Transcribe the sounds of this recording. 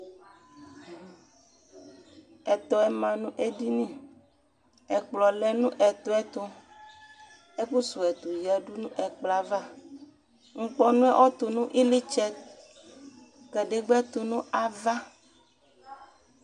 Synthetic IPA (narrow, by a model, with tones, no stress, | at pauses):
ɛ˨t̪ɔ˨ɛ˨mã˨nũ˦ʔe˦di˦nĩ˦ | ɛ˨k͡plɔ˨lɛ˦nũ˦ʔɛ˨t̪ɔ˦ɛ˦t̪o˦ | e˦ɸu˦su˨ɛ˨t̪o˨jɛ˨ɖu˦nũ˦ʔɛ˨k͡pla˨va˦ | ŋ̩˦k͡pɔ˦nũ˦ɛ˦ʔɔ˦t̪o˨nũ˦ʔi˦li˦t͡ʃɛ˦t̪̚ | kɛ˨ɖe˨ɡ͡bɛ˦t̪o˨nũ˦a˨va˦